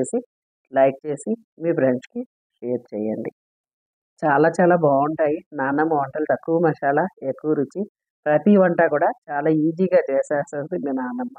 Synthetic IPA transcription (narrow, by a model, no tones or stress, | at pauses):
eːsi | lɐjk̚t͡ʃe̞ːsi | miːpɾeɲt͡ʃki | ʃeːɾ̚t͡ʃɛːjɐɳɖi | t͡ʃaːlaːt͡ʃaːlaːbaːuɳʈaːjinaːnɐmːɐːɳʈɐluʈ̪ɐkːuʋɐmɐʂaːlaekːuʋɐɾut͡ʃːi | pɾɐt̪iʋɐɳʈaːkuːɽaːt͡ʃaːlaːiːd͡ʒiːɡaːt͡ʃɛːsaːsɐsd̪imiːnaːnɐmːɐ